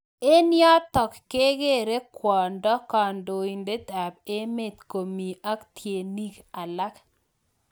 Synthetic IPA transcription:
e˦nɪjɔ˦t̪ɔ˨kːe˦ɡe˦ɾe˦kwɔ˨ndɔ˦ka˨ndo˨i˨nde˦t̪a˨b̚e˦me˦˨t̪ko˨mi˨ʔa˦kt̪ʰje˨ni˦ka˨la˦k

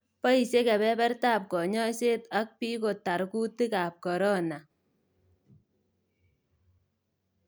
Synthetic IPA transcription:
pɔ˦i˨se˦kɛ˨bɛ˦pɛ˦rtaː˦˨p̚kɔ˨ɲɔ˦se˦ta˦k̚pi˦ko˨ta˨ɾku˦ti˦ka˨p̚kɔ˨ɾɔ˦na˨

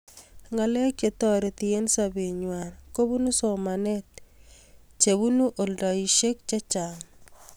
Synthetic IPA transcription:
ŋa˨le˦ke˨t̪ɔ˦ɾe˨t̪i˨e˦nsa˨be˨ɲwa˨nko˦bu˦nu˦so˨ma˨ne˦t̪̚ | t͡ʃe˨βu˦nu˦ʔo˨ldɔ˨i˨ʃe˦kt͡ʃe˦t͡ʃa˨ŋ

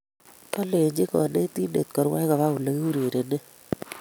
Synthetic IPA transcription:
ka˦le˨ɲd͡ʒi˦kɔ̰˨ne˦ti˦nḛ˨t̪̚kɔ˨ɾwa˦ka˨βa˦u˨le˨˦ki˦u˦ɾe˨ɾe˨ne˦

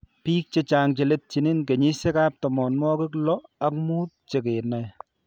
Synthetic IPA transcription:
piː˦k̚t͡ʃe˨t͡ʃaː˨ŋt͡ʃe˨le˦t̚t͡ʃi˨ni˦nke˨ɲi˦se˦kaː˦p̚tɔ˨mɔ˨nmɔ˦kɪ˦klɔ˦a˦k̚muː˦t̚t͡ʃe˨ke˨na˨

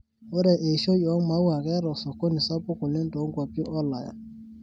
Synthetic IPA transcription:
o˦ɾɛ˨ʔe˨ʃo˦jɔ˨˦ma˨˦wa˨kɛ˦ɾɔ˨sɔ˨ko˦ni˨sa˦pʊ˦kʊ˨le˦n˦to˨˦ŋ˦kwa˨pɔ˦ʔɔ˦la˨ja̰˨

